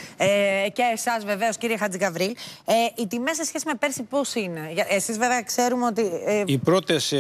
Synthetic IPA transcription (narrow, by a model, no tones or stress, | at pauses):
eceːsɐzve̞ve̞o̞sciɾiexɐt͡siɡɐvɾileit̪imesesçe̞sime̞pe̞ɾsipo̞sine̞ʝɐesizveveɐkse̞ɾumeo̞t̪iipɾo̞t̪es